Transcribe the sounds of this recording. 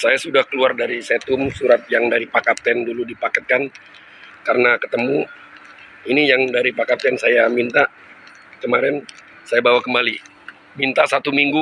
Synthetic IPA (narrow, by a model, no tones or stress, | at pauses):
sajasudahkəluardaɾisɛt̪ʊmsuɾat̪̚jaŋdaɾipakat̪ɛnduludipakɛt̪̚kan | kaɾənakət̪əmu | inijaŋdaɾipakat̪ɛnsajamint̪a | kəmaɾɛn | sajabawakəmbali | mint̪asat̪umiŋɡu